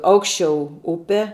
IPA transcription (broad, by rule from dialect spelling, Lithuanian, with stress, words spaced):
ˈɐʊkʃʲt͡ʃʲɛʊ ˈʊpʲɛ